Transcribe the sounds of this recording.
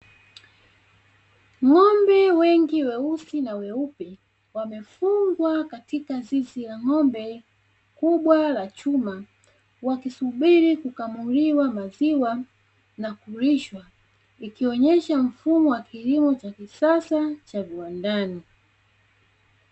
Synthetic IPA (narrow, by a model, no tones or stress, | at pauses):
ŋɔmbɛwɛŋɡiwɛusinawɛupɛ | wamɛfuŋɡwakatikazizilaŋɔmbɛ | kuɓwalat͡ʃuma | wakisuɓiɾikukamuliwamaziwa | nakuɾiʃwa | ikiɔɲɛʃam̩fumɔwakʰilimɔt͡ʃakisasat͡ʃaviwandaːni